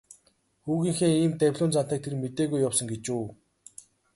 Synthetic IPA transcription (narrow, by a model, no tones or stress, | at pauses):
xuːɣiːŋxeːiːmt̪æwʲɮʲʊːnt͡san̥t̪əːk̚t̪ʰermet̪eːɣujːawsə̆ŋɡet͡ɕuː